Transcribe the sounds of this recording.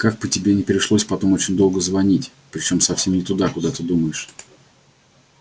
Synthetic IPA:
kak̚pətʲɪbʲenʲɪpʲɪɾʲɪʂlˠo̞sʲpɐt̪o̞mo̞t͡ɕɪnʲd̪o̞lˠɡəzvɐnʲitʲ | pɾʲɪt͡ɕo̞msɐfsʲe̞mnʲɪt̪ʊd̪akʊd̪at̪əd̪uməjɪʂ

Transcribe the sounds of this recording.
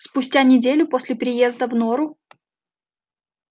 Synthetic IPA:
spʊsʲtʲanʲɪdʲelʲʊpo̞sʲlʲɪpɾʲɪje̞zd̪əvnoɾʊ

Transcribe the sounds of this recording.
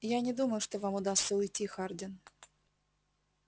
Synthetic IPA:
janʲɪd̪uməjʊʂt̪ovamʊd̪ast̪səʊjtʲixardʲɪn

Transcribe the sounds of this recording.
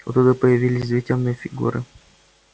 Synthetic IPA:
ʊt̪ud̪əpəjɪvʲilʲɪsʲzvʲitʲɪlʲnɨjəfʲɪɡṵɾɨ̰

